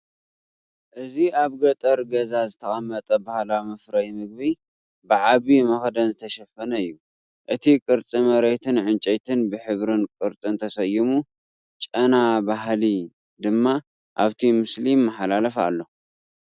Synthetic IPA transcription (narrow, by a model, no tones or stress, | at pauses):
ʔɨziaβɡɐt̪ʼɐɾɡɐzazɨt̪ʰɐxʼɐmːɐt̪ʼɐbahlamɐfɾɐjmɨɡ̚bi | bɨʕaβimɐxd̪ɐnzɨt̪ʰɐʃɐfːɐnɐɨjːu | ʔɨt̪ʰikʼɨɾt͡sʼimɐɾejt̪ʰɨnʕɨnt͡ʃʼɐjt̪ʰɨnbɨħɨβɾɨnkʼɨɾt͡sʼɨnt̪ʰɐsɐjimu | t͡ʃʼɐnabaɦli | d̪ɨmːa | ʔaβt̪ʰimɨslimːɐħalalɐfa̰lːo̞